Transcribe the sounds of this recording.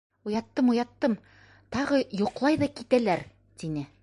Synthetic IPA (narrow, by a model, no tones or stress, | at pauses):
ujɑt̪ːɤmujɑt̪ːɤm | t̪ɑʁɤjuqlˠɑjðɑkit̪ælæɾ | t̪inɘ